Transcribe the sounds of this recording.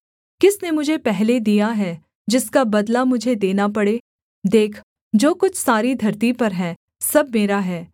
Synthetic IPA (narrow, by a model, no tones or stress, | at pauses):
kɪsnemʊd͡ʒʱepɛɦled̪ijaɦɛː | d͡ʒɪskabɐd̪lamʊd͡ʒʱed̪eːnapɐɽeː | d̪eːkʰ | d͡ʒoːkʊt͡ʃʰsaːɾid̪ʱɐɾt̪ipɐɾɦɛ̃ː | sɐb̚meːɾaɦɛː